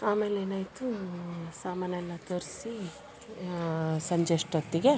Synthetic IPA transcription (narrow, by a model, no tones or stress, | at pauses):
aːme̞ːleːnaːjt̪usaːmaːnɐɛlːɐt̪ɐɾsi | sɐɲd͡ʒeʂʈɐt̪ːiɡe̞